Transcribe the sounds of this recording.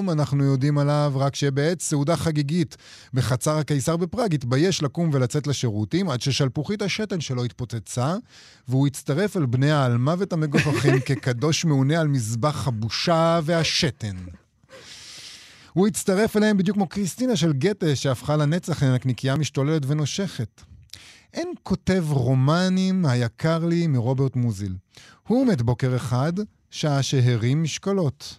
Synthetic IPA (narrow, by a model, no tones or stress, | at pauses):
manaχnujo̞dimalavʁakʃebeetseudaχaɡiɡit | beχat͡saʁhakejsaʁbepʁaɡitbaje̞ʃlakumve̞lat͡se̞tleʃe̞ʁutimadʃeʃalpuχithaʃe̞te̞nʃe̞lo̞itpo̞t͡set͡sa | veuit͡staʁe̞falbnejaːlmavetame̞ɡofaχimke̞kado̞ʃmeunealmizbaχhabuʃave̞haʃe̞te̞n | huit͡staʁe̞falahembid̪jukmokʁist̪inaʃ̬e̞lɡeteʃeafχalanet͡saχenaknikijamiʃtolele̞tveno̞ʃe̞χet | ʔenko̞te̞vʁo̞manimhajakʰaʁlimiʁo̞be̞ʁtmuzilhumetbo̞ke̞ʁeχad | ʃaʃeɦeʁimːiʃkalo̞t